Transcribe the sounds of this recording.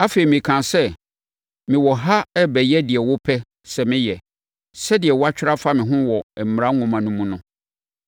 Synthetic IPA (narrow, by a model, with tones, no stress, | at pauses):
a˦fe˨ɾi˨mĩ˨kʰã˨sɛ˦ | mɪ̃˨wɔ˨ɦa˦ɛ˦bɛ˨jɛ˦dɪ˨ɛ˨wʊ˦pʰɛ˦ | sɛ˨mɪ̃˦jɛ˨ | sɛ˦dɪ˨ɛ˨wɔ˦a˦t͡ɕᶣɪ˦ɾa˦fa˦mɪ̃˨ɦʊ̃˦wɔ˨ɛ˨m̩˨m˨ɾã˦ŋʊ̃˨mã˨nũ˦mũ˦nʊ̃˦